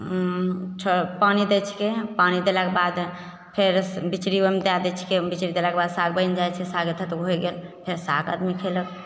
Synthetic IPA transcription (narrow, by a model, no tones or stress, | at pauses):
t͡ʃʰəpanid̪et͡ʃʰi̥kepanid̪elakebad̪ | pʰeɾbit͡ʃɾiomed̪ad̪ɛt͡ʃʰi̥kebit͡ʃɾid̪elakebad̪saɡ̚bənd͡ʒajt͡ʃʰɛsaɡet̪ʰət̪əkɦojɡelpʰeɾsaɡa̰d̪mikʰelək